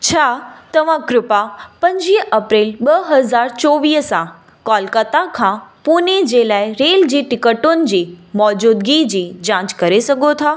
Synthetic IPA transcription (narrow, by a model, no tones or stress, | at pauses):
t͡ɕʰaːt̪ɐʋ̤ãkɾʊpapɐ̃ɲd͡ʑiːɦɐpɾeːlɓɐɦɐzaːɾt͡ɕɔːʋiːɦsã | kɔːlkət̪akʰãːpuːned͡ʑeːlaːɪɾeːld͡ʑiːʈɪkəʈʊnɪ̆d͡ʑiːmɔːd͡ʑuːd̪ɡiːd͡ʑiːd͡ʑãːt͡ɕkɐɾesɐɡʱot̪ʰaː